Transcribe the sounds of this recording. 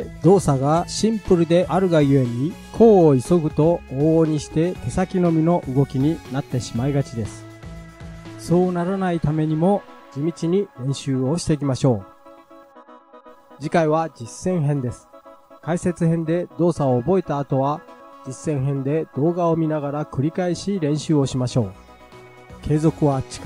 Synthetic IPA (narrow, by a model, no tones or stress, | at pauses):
d̪o̞ːsaɡaɕĩmpɯ̟ɾɯ̟d̪e̞ʔaɾɯ̟ɡajɯe̞ɲʲikʰo̞ːiso̞ɡɯ̟t̪o̞oːɲ̟iɕi̥t̪e̞t̪e̞sakʲino̞mʲino̞ʔɯɡo̞kʲiɲ̟inat̪ːe̞ɕimaiɡat͡ɕid̪e̞sɨ̥ | so̞ːnaɾanait̪ame̞ɲ̟imo̞d͡ʑimʲit͡ɕiɲ̟iɾẽ̞ɰ̃ɕɨːo̞ɕi̥t̪e̞k̬ʲimaɕo̞ː | d͡ʑikaiβ̞ad͡ʑisːẽ̞ɰ̃ɦẽ̞nd̪e̞sɨ̥kaise̞t͡sɨhẽ̞nd̪e̞d̪o̞ːsaoːbo̞et̪aːt̪o̞βad͡ʑisːẽ̞ɰ̃ɦẽ̞nd̪e̞d̪̥o̞ːɡao̞mʲinaɡaɾakɯ̟ɾʲikaiɕiɾẽ̞ɰ̃ɕɨːo̞ɕimaɕo̞ː | kʰe̞ːzo̞kɯ̟βat͡ɕi̥k